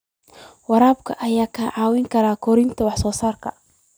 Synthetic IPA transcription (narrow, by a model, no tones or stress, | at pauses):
wɑɾaːb̚kʰɐʔɐjaːkʰɐʕɑːwɪŋkʰɐɾaːkʰɔɾɪnt̪ʰɐwɑħsɔːsaːrkʰɐ̰